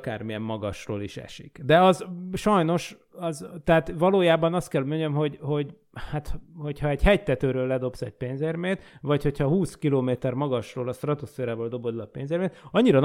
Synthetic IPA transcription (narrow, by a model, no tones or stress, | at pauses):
ka̰ːrmijɛmːɒɡɒʃro̰ːliʃɛ̰ʃḭkd̪ɛɒzʃɒjno̞ʃ | ɒzt̪ɛat̪vɒloːjaːbɒnɒst̪kɛlmoɲɛmɦo̞ɟho̞ɟ | hat̪ho̞chɒɛɟhɛc̚t̪ɛt̪øːɾøːlːɛd̪o̞psɛɟ̚peːnzeːrmeːt̪vɒcho̞chɒhuːskiloːmeːt̪ɛrmɒɡɒʃroːlɒst̪rɒt̪osfeːɾaːvoːld̪o̞bo̞d̪lɒpeːnzeːrmeːt̪ɒɲːiɾɒn